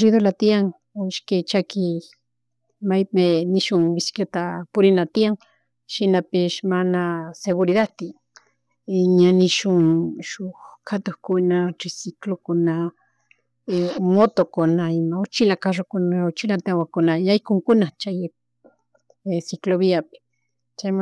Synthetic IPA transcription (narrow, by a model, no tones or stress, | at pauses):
ɾiðolat̪iaŋ | oɪʃket͡ʃakɪ | majpenɪʃʊŋbɪskjat̪apʊɾɪnat̪iaŋ | ʃɪnapɪʃmanaseɣʊɾiðat̪ɪ | ɲanɪʃʊŋʃʊxkʰat̪oxkʊnaʈ͡ʂisiklokʊna | mot̪okʊnaimaot͡ʃɪlakaʃokʊnaot͡ʃilat̪awakʊnaajkʊŋkʊnat͡ʃaj | sɪkloβiapɪ̥ | t͡ʃajm